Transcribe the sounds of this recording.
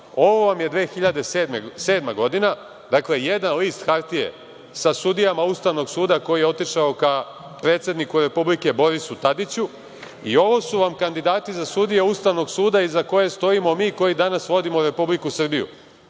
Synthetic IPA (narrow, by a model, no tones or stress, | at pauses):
o̞ʋo̞ʋamje̞d̪ʋe̞ːxiʎad̪e̞sed̪mese̞ːd̪maɡo̞d̪ina | d̪akle̞je̞d̪nanliːst̪xaɾt̪ije̞̰ | sasud̪ijamaust̪aʋno̞ɡsuːd̪ako̞jijeo̞t̪iʃaoka | pɾe̞ːt̪sje̞d̪nikuɾe̞publike̞bo̞ɾisut̪ad̪it͡ɕu | io̞ʋo̞suʋamkand̪id̪aːt̪izasud̪ijeust̪aʋno̞ɡsuːd̪aizako̞je̞st̪o̞imo̞miːko̞jid̪anasʋo̞d̪imoɾe̞publikusr̩bijṵ